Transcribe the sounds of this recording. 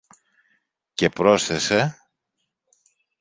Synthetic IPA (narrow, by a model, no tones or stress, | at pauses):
ce̞pɾo̞sθe̞se̞